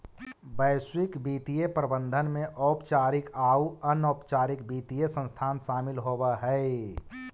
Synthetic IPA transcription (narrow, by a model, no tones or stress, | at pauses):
bəɪswikbit̪ijepɾəbənd̪ʱənmeʔɔːpt͡ʃaːɾikauənopt͡ʃaːɾik̚bit̪ijesə̃nst̪ʰaːnsaːmilɦobəɦəe